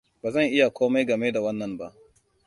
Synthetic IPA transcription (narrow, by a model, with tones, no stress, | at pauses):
baː˨zɐ˦˨ŋʔɪ˦ja˨kʷoː˦ma˦jɡɐ˨meː˦da˨wɐ˦nːɐ˨mba˦ʔ